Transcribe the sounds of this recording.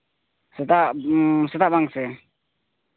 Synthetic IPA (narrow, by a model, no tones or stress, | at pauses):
sɛt̪asɛt̪aʔbaŋsɛ